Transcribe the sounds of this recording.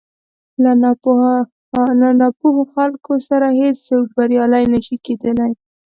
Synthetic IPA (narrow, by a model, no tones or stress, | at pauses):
lan | anɑpuhoxalkosaɾahet͡ssawʈbaɾjɑlajnaʃiked̪əlaj